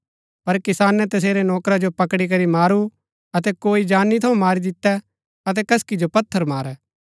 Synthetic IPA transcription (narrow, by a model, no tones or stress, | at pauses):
pɐɾkɪsaːnɛ̃t̪ɐs̬eːɾenɔːkɾad͡ʒopɐkɽik̬ɐɾimaːɾu | ɐt̪ɛkoːid͡ʒaːnːit̪ʰɐũmaːɾid̪ɪt̪ːɛ | ɐt̪̬ɛkɐskid͡ʒopɐt̪ʰːəɾmaːɾɛː